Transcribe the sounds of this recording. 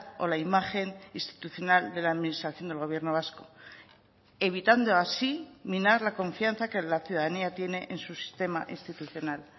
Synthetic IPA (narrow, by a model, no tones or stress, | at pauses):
o̞̰laimaχe̞ninst̪i̥t̪uθjo̞nald̪e̞laːðminist̪ɾaθjo̞nd̪elɣo̞β̞je̞ɾno̞βasko̞ | e̞β̞it̪and̪o̞asiminaɾlako̞ɱfjanθakelaθjuðaðaniat̪je̞ne̞ʔensusi̥st̪e̞maʔinst̪it̪uθjo̞nal